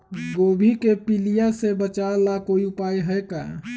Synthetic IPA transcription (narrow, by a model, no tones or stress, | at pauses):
ɡobʱikepilijasebət͡ʃalakoiʊpajɦəɛka̰